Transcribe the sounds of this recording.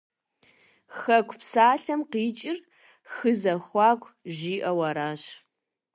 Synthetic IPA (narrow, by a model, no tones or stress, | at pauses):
xɐkʷʰpsaːɬɐmqiːt͡ʃʼɪr | xɨzɐxʷɑːkʷʰʼʒiːʔɐwɐɾaːɕ